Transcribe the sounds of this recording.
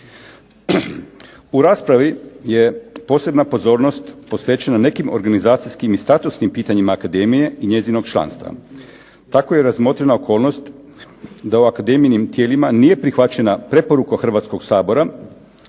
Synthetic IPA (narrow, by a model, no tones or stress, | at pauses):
uɾaːspɾaʋije̞po̞ːse̞bnapo̞zo̞ːɾno̞st̪posʋet͡ɕenane̞kimo̞ɾɡanizaːt̪sijskimist̪at̪usnimpiːt̪aɲimaːkad̪e̞mije̞iɲe̞zino̞ɡt͡ʃla̰ːnst̪ʋa̰ | t̪akoje̞ɾazmo̞ːt̪ɾenao̞kʰo̞ːlˠno̞st̪ | d̪auakad̪e̞mijnimt̪jeːlimanije̞pɾixʋat͡ɕe̞napɾe̞po̞ɾukoxr̩ʋat̪sko̞ɡsaːbo̞ɾa